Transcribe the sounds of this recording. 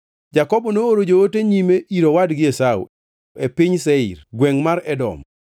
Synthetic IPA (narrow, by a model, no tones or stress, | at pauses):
d͡ʒakɔbɔnooɾod͡ʒooteɲimeʔiɾowadɡɪesaṵ | epiɲsɛḭɾɡweŋmaɾɛdɔ̰m